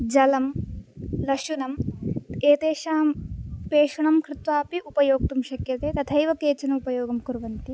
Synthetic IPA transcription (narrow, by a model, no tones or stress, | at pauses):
d͡ʒɐlɐm | lɐʂunɐmeːt̪eːʃaːmpeːʂɐɳɐmkɾɪt̪ʋaːpiʔupɐjoːɡ̚t̪umʃɐkjɐt̪eːt̪ɐt̪ʰɐjʋɐkeːt͡ʃɐnɐupɐjoːɡɐmkuɾʋɐnt̪i